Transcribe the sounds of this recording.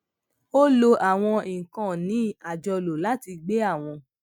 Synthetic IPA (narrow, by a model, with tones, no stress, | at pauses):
o˦lo˧ʔa˨w̃ɔ̃˧ĩ˨kã˨nĩ˨˦a˨d͡ʒɔ˧lo˨la˦ti˧ɡ͡be˦a˦˨w̃ɔ̃˧